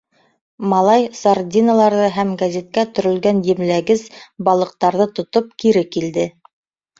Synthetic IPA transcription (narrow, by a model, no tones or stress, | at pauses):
mɑlˠɑjsard̪ʲinalˠɑɾðɤɦæmɡæzʲet̪̚kæt̪ɵ̆ɾɵ̆lɡænjɘ̆mlæɡɘzbɑlˠɤ̆q̚t̪ɑɾðɤt̪ŏt̪op̚kiɾɘkild̪ɘ